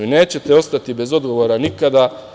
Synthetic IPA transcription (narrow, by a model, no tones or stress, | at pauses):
ine̞ːt͡ɕe̞t̪eo̞st̪at̪ibe̞zo̞d̪ɡo̞ʋo̞ːɾanikad̪a